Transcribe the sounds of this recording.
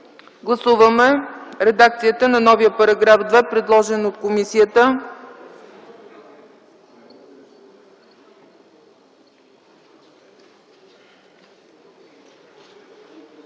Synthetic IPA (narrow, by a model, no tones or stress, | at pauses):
ɡlˠɐsuvəmɛɾɛd̪ak̚t̪sijət̪ənɐnɔvijəpɐɾɐɡɾafd̪vɛpɾɛd̪lˠɔʒɛnot̪̚komisijət̪ə